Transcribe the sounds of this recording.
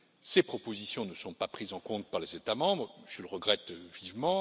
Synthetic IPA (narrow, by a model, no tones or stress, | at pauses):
sepχɔpozisjɔ̃nəsɔ̃papχizɑ̃kɔ̃t̪̚paʁlezet̪amɑ̃bʁʒ̥ələʁəɡʁɛt̪vivmɑ̃